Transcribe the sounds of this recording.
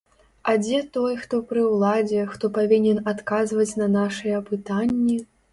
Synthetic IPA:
ɐd͡zʲɛt̪ɔjxt̪ɔpɾɨwlˠad͡zʲɛxt̪ɔpavʲinʲɛnat̪kazvɐt͡sʲnɐnaʂɨjɛpɨt̪anʲːi

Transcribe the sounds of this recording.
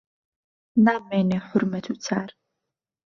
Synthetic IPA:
naːmeːneħʊrmɐt̪ʰut͡sʰaːr

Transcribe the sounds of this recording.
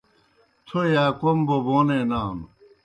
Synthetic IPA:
t̪ʰojaːkomboboːneːnaːn

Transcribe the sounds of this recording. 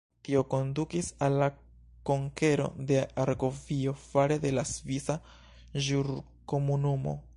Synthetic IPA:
tio̞ko̞ndukisalːa | ko̞ŋke̞ɾo̞̰de̞aɾɡo̞vio̞faɾede̞lasvisa | ʒuɾ | ko̞munumo̞̰

